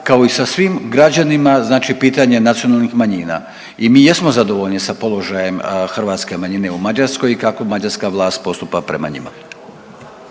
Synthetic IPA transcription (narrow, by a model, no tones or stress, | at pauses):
kaoisasʋiːmɡɾad͡ʑanimaznaːt͡ʃipiːt̪aɲe̞nat̪sio̞nalˠnixmaɲiːna̰ | imiːjesmo̞zad̪o̞ʋo̞ʎnisapo̞lo̞ʒaje̞mxr̩ʋaːt̪ske̞maɲine̞umad͡ʑaɾsko̞jikako̞mad͡ʑaɾskaʋlˠaːst̪̚po̞st̪upapɾe̞̰ma̰ɲḭma̰